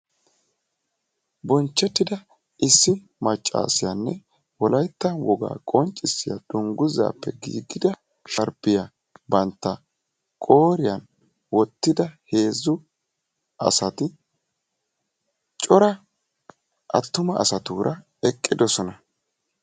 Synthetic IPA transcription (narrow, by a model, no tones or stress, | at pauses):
bɔnt͡ʃːɛt̪ːɪd̪ɐ | ʔɪsːɪ | mɐt͡ʃʼːa̰ːsɪjɐnːɛ | wɔlɐjt̪ːɐnwɔɡa̰ːkʼɔnt͡ʃʼːɪsːɪjɐ̰d̪̥ʊŋɡʊza̰ːpːɛɡḭːɡːɪd̪ɐ | ʃɐɾbɪjɐ | bɐnt̪ːɐ | kʼo̞ːɾɪjɐn | wɔt̪ːɪd̪ɐhe̞ːzːʊ | ɐ̰sɐt̪ɪ | t͡ʃʼɔɾɐ | ʔɐ̰t̪ːʊmɐʔɐ̰sɐt̪uːɾʔɐ | ɛkʼːɪd̪ɔsɔnɐ